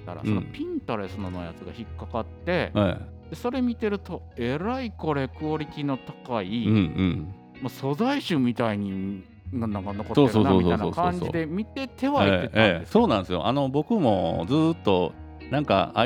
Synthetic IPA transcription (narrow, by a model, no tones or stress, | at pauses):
t̪a̰ɾa̰ssõnopʲĩnt̪aɾe̞sɨnono̞ja̰t͡sɨɡa̰çikkːakat̪ːe̞ad̪̥e̞so̞ɾe̞mʲit̪e̞ɾɯ̟t̪o̞ | eɾaiko̞ɾe̞kɯ̟o̞ɾʲikʲino̞t̪akaiɯ̟̃ɯ̟̃ɴ | maso̞zaiɕɨːmʲit̪aiɲ̟i | ŋɡanãŋkano̞kotsoːesonaoːisoaajnoːakaõɲɲd͡ʑḭd̪e̞mʲit̪e̞t̪e̞βaeeaedessoːnãsɨjo̞̰ʔano̞bo̞kɯ̟mo̞̰d͡zɨːt̪ːo̞ | nãŋka̰a